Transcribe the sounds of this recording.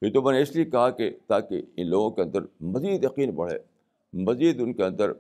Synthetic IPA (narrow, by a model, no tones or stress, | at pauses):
pit̪omɛ̃ːneɪsliekɐɦaket̪aːkḛɪ̰̃nloːɡõkeɐ̃nd̪əɾmɐziːd̪jɐqiːnpɐɽ̤ḛː | mɐziːd̪ʊnkeɐ̃nd̪əɾ